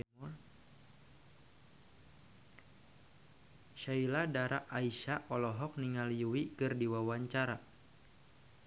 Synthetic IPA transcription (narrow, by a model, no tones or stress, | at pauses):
ʃailadaɾʔaʔaiʃaʔɔlɔɦɔk̚niŋaliuwikɨrdiwawaɲt͡ʃaɾa